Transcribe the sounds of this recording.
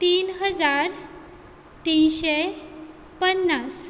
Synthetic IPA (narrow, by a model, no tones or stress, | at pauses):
t̪iːnɦəd͡zaɾ | t̪inɕe | pənːas